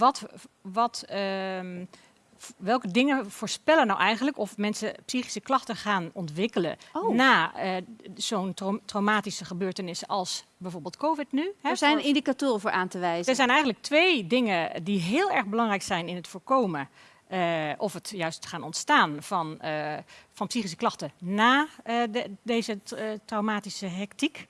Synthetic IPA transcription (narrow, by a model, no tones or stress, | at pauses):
ʋɔtʋɔt | ʋɛlˠkədɪŋəv̥oːɹspɛlənawʔɛjɣəndləkɔfmɛnsəpsixi̥səklɑxtəχaːnɔntʋɪkələ̰naːəz̥ontrotrowmaːtisəχəbøːɹtənɪsəʔɑlˠsbɛjvoːɹbɪːlˠt̚kʰoːvɪtnyhɛzɛjnɪndikatoːrəvʊːɹʔaːntəʋɛjzdəɹzɛjnɛjɣən̩dlək̚tʋeːjdɪŋədiɦɪːlˠɛɹɣbəlɑŋrɛjksɛjnɪnɦətfoːɹkowmə | ʔɔfətjœɥstχaːnɔntstaːnfɑn | fɑnpsiχis̬ə̥klɑxtənaː | deːzətrawmaːtisəɦɛktik